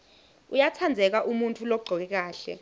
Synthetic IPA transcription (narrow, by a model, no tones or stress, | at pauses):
ujatʰand͡zʱɛk̬aʔumuntʰulɔɡ͡ǀʱɔk̬ɛk̬aːɬɛ̰